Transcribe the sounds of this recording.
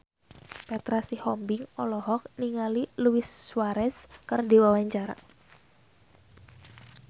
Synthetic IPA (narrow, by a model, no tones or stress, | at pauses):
pɛt̪ɾasihɔmbɪŋɔlɔɦɔk̚niŋaliluɪsːuwaɾɛskɨrdiwawaɲt͡ʃaɾa̰